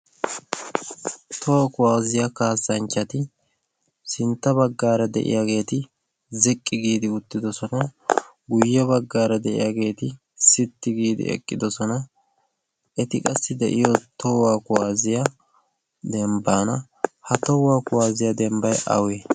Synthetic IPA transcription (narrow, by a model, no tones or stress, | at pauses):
t̪ʰɔwakʊwaːzɪjakaːsːɐnt͡ʃːɐt̪ɪ | sɪnt̪ːɐbɐɡːaːɾɐd̪ɛ̰ʔɪ̰jaɡe̞ːt̪ɪ | zɛkʼːɪɡiːd̪ɪʊt̪ːɪd̪ɔsɔnɐ | ɡʊjːɛβɐɡːaːɾɐd̪ɛʔɪ̰jaɡe̞ːt̪ɪ | sɪt̪ːɪɡiːd̪ɪ̰ʔɛ̰kʼːɪd̪ɔsɔnɐ | ɛt̪ɪkʼɐsːɪd̪ɛ̰ʔɪjɔt̪ɔwaːkʊwaːzɪjɐ | d̪ɛmbaːnɐ | hɐt̪ɔwaːkʊwaːzɪjɐd̪ɛmbɐjɐ̰weː